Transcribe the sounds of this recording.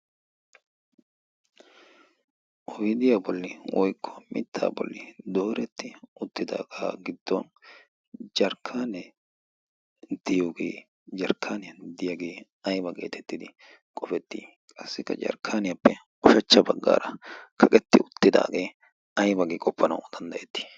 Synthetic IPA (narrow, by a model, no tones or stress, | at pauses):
ʔɔjd̪ɪjaːbɔlːɪwʔɔjkʰːɔ̥mɪ̰t̪ʰːa̰ːbɔ̰lːɪd̪oːɾɛt̪ːɪʊt̪ːɪd̪a̰ːɡaːɡɪd̪ːɔn | d͡ʒɐɾkʰːaːnɛ | d̪̥ɪjoːɡḛː | d͡ʒɐɾkʰːaːnɛjd̪ɪjaɡe̞ː | ɐjbɐɡe̞̰ːt̪ʰɛt̪ːɪd̪ɪ | kʼɔfɛt̪ːḭː | kʼɐsːɪkːɐ̰d͡ʒɐ̰ɾkʰaːnɪjɐpːɛ | ɔʃɐt͡ʃːɐbɐɡːa̰ːɾɐkʰɐkʼɛt̪ːɪʊt̪ːɪd̪a̰ːɡe̞ː | ɐjbɐɡeːkʼɔpʰːɐnɐ̰wd̪̥ɐnd̪ɐjɛt̪ːi̥